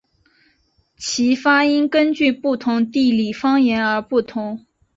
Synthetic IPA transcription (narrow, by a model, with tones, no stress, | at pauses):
t͡ɕʰi˧˥fa˥i˥nkə˥nt͡ɕy˥˧pu˥˩t̪ʰʊ˧˥ŋt̪i˥˩li˨˩fɑ˥ŋjɛ˧˥nə˞˧˥pu˥˩t̪ʰʊ˧˥ŋ